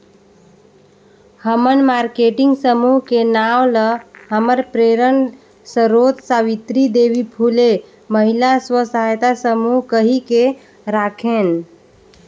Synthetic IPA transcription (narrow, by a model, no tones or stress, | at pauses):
həmənmaɾkeʈiŋɡsəmuɦkenawləhəməɾpɾeɾən | səɾot̪saʋit̪ɾid̪eʋipʰule | məɦilaswəsajt̪asəmuɦkəɦike | ɾakʰen